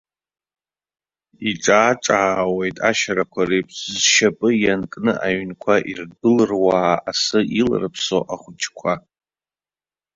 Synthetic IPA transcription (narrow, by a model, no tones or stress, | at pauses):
iʈ͡ʂʼaːʈ͡ʂʼaːwe̞jtʼaʃaɾakʷʰarejpʰʼszʃapʼɨjankʼnɨʔaɥnkʷʰaʔirɡɨlɨrwaːasɨʔilrɨpʰso̰ʔaχʷʊt͡ʃkʷʰa